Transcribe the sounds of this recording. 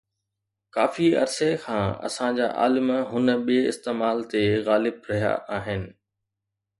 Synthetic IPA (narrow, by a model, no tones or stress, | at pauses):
kaːfiɐ̰ɾsekʰãːɐ̰sãd͡ʑa̰ːʔa̰ːlɪmɦʊnəɓiɪ̰st̪eːmaːlt̪eɣaːlɪbɾɐɦija̰ʔaːɦɪnɪ̆